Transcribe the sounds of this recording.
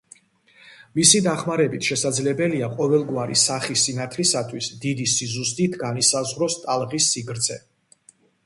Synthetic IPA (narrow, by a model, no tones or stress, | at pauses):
misid̪aχmaɾɛbit̪ʰʃɛsad̪zlɛbɛliaqʼɔvɛlˠɡwaɾḭsaχisinat̪ʰlisat̪ʰwisd̪id̪isizus̬t̪ʼit̪ʰɡanisazʁɾɔst̪ʼalˠʁisːiɡɾd̪zʰɛ